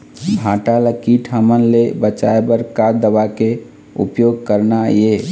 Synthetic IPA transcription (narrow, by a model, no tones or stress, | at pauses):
bʱaʈaləkiʈʰəmənlebət͡ʃaebəɾkad̪əwake | ṵpjoɡ̚kəɾnaje